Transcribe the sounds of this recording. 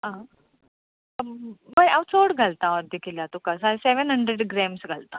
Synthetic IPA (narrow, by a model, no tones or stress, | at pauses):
ɦã | ʋəjaʋsoɽɡʱalt̪aɔɾd̪ikʰilat̪ukasajseʋənɦəɳɖɾeɖɡɾeːmsɡʱalt̪a